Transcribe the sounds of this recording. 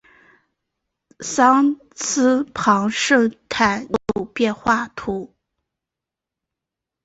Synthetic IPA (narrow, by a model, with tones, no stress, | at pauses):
sɑ˥ŋ | t͡sʰɹ̩˥pʰɑ˧˥ŋʂɤ˥˩t̪ʰa˥˩ɪo˥ʊpjɛ˥˧nxwa˥˩t̪ʰu˧˥